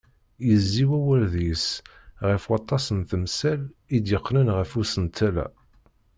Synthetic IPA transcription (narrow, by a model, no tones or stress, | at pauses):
jəzːiwæwæɾðis | ʁəfwɑt̪ˤːɑsənθəmsælid̪jəqːnənʁəfusənt̪ʰːælæ̰